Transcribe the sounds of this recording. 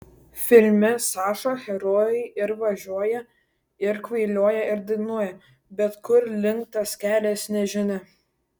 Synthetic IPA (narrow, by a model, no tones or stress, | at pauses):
fʲɪlʲmʲɪsɑːʃoxʲɛɾoːjɛɪɪɾʋɐʒʲuɔjɛ | ɪɾkʋɐɪlʲuɔjɛɪɾd̪ʲɪɡnuɔjɛ | bʲɛt̪kʊɾlʲɪŋkt̪ɐskʲæːlʲeːsnʲɛʒʲɪnʲɪ